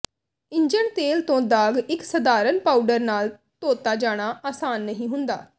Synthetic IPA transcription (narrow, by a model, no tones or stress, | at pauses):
ɪ̃ɲd͡ʒəɳt̪eːlt̪õːd̪aːɡɪksəd̪aːɾənpaːuɖəɾnaːl | t̪oːt̪aːd͡ʒaːɽ̃aːaːsaːnːəɦĩːɦʊnd̪a̰ː